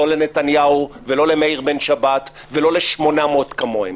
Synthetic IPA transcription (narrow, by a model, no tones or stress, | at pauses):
o̞lenetanjauvelo̞lemeiʁbenʃabat | velo̞leʃmo̞namotkamoem